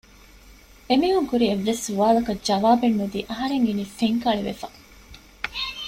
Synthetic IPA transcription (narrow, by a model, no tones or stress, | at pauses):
emiːɦuŋkuɾieʋːesːuʋaːlɐkɐd͡ʒɐʋaːbenːud̪iːʔɐɦɐɾeŋiniːfeŋkɐɭiʋḛfɐ